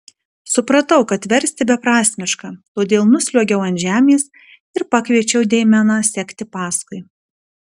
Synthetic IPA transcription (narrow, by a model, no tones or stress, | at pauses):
sʊpɾɐt̪ɐʊkɐt̪ʋʲɛɾʲsʲt̪ʲɪbʲɛpɾɑːsʲmʲɪʃkɑːt̪oːd̪ʲeːlˠnʊsʲlʲuɔɡʲɛʊɐnʲʒʲæːmʲeːs | ɪɾpɑkʋʲiɛt͡ʃʲɛʊd̪ʲɛɪmʲɛnɑsʲɛkʲt̪ʲɪpɑːskʊɪ